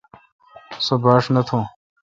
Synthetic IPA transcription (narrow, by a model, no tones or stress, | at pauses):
sɐbaːʂnɐt̪ʰõː